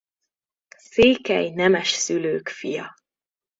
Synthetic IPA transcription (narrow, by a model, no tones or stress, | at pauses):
seːkɛ̰jnɛmɛʃsyløːkfijɒ